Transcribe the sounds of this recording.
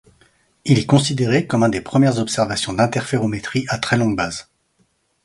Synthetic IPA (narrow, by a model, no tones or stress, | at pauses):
ilɛkɔ̃sid̪eʁekɔmɛ̃d̪epχəmjɛʁzɔpsɛʁvasjɔ̃d̪ɛ̃t̪ɛʁfeʁomet̪χiʔat̪χɛlɔ̃ɡbaz